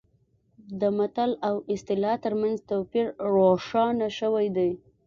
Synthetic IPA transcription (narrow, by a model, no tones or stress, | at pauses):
d̪əmat̪alawɪst̪ɪlɑt̪əɾmanzt̪opiɾɾoʂɑnaʃəwajd̪aj